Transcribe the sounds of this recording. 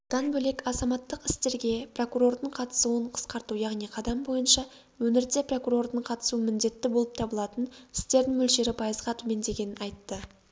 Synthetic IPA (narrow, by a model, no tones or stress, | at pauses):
d̪̥ɑnbɵle̞kɑzɑmɑt̪ːəqɪst̪e̞ɾɡʲe̞pro̞kuɾo̞rd̪əɴqʰɑt̪ə̥suəɴqʰə̥sqɑɾt̪ujɑʁnijqʰɑd̪ɑmbo̞jənʃɑ | wɵnɪɾd̪e̞pro̞kuɾo̞rd̪əɴqʰɑt̪ə̥suəmɪnd̪e̞t̪ːɪbo̞lˠəp̚t̪ʰɑbəlˠɑt̪ənɪst̪e̞ɾd̪ɪŋmɵlʃe̞ɾɪpʰɑjəzʁɑt̪ʰɵme̞nd̪e̞ɡʲe̞nɪnɑjt̪ːə